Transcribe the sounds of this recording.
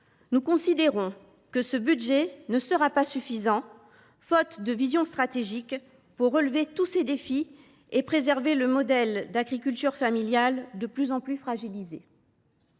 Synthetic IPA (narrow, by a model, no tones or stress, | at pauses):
nukɔ̃sid̪eʁɔ̃ | kəsəbyd̪ʒɛnəsəʁapasyfizɑ̃ | fɔt̪d̪əvizjɔ̃st̪χat̪eʒik | puʁːəlvet̪used̪efi | epχezɛʁveləmɔd̪ɛld̪aɡʁikʲylt̪yʁfamiljald̪əplyzɑ̃plyfχaʒilize